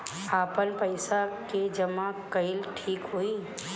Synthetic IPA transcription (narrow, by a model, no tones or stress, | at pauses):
apənpəɪsaked͡ʒəmakəɪlʈʰiːkɦoi